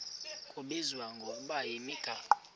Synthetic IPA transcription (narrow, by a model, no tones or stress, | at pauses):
kʰobezwaŋɡobajemika